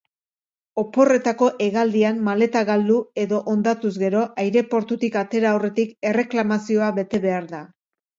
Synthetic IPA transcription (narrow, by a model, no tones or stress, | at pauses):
o̞po̞re̞t̪ako̞ʔe̞ɣald̪iammale̞t̪aɣald̪ue̞ðo̞ʔond̪at̪uzɡe̞ɾo̞ʔajɾe̞po̞ɾt̪ut̪ikat̪e̞ɾaore̞t̪ike̞re̞klamasio̞aβe̞t̪e̞βe̞aɾða